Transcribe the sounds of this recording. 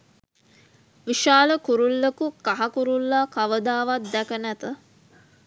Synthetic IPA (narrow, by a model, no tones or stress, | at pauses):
ʋiʃaːləkuɾulːekukaɦakuɾulːakaʋəd̪aːʋat̪̚d̪ækənæt̪ə